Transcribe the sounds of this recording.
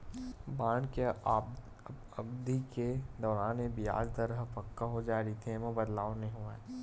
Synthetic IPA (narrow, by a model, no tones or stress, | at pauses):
baːɳke | ɐbd̪iked̪ɔːɾaːnebɪja̰ːɡt̪ɐɾəɦpɐkːaɦod͡ʒaːɾit̪ʰemɐ̃bɐd̪laːõnĩɦoːeː